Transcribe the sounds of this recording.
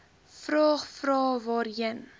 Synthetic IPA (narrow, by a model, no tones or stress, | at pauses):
frɑːχfrɑːvɑːɾiən